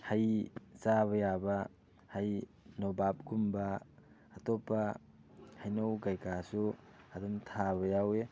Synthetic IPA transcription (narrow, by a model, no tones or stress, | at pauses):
hajsaβɐjaba | haj | nobap̚ɡumbaː | tɔpa | hajnowɡajkasu | adumtʰabɐjawe